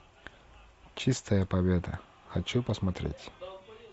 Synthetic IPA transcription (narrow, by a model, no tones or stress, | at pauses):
t͡ɕist̪ɐjɐpabʲɛd̪ɐ̰ | xat͡ʃupɐsmat̪ɾʲḛtʲ